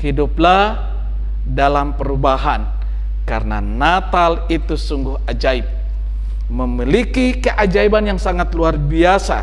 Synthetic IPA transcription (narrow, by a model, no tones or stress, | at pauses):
hiduplah | dalampəɾubaɦan | karəna | nat̪alit̪usuŋɡuhad͡ʒaip̚ | məmilikikəʔad͡ʒaibanjaŋsaŋat̪luarbiasa̰